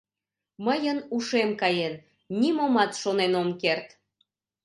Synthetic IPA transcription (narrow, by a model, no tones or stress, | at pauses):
məjənuʃemkɑjenː | imomɑt̪ʃonenomkert̪